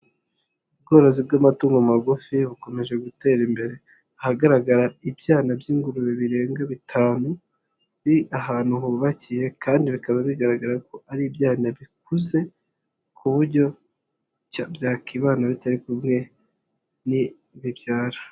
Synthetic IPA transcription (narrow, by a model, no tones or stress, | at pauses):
ubɡo̞ːɾo̞zib̚ɡamatuːŋɡomaɡufiβuko̞me̞ʒe̞ɡute̞ɾimbe̞ɾe̞ | ahaɡaɾaɡaɾaibjaːnabjiːŋɡuɾuɾeβiɾe̞ːŋɡaβitʰaːnu | βiiʔaɦaːn̥huhuβaciɾe̞kaːndiβikaβaβiɡaɾaɡaɾako̞aɾibjaːnaβikuze̞ | kʰuβuɾɟo̞ | cabjaːkiβaːnaβitaɾikumŋe̞ | ni | βibjaːɾa